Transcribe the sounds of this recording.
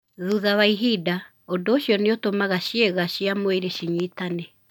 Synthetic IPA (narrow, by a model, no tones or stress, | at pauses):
ðuðaβaiɦiːda | odoːɕiɔneotomaɣaʃieɣaʃiamoeɾeʃiɲiːtane